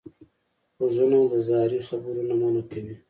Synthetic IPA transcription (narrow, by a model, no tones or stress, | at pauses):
xozunad̪əzɑːɾixabɾunamanakawi